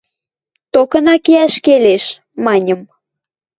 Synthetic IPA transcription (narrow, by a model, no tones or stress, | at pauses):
t̪okɤ̆nɑkeæʃkeleʃ | mɑnʲəm